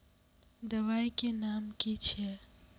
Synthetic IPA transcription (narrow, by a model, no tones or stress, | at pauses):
d̪əʋaikenamkit͡ʃʰe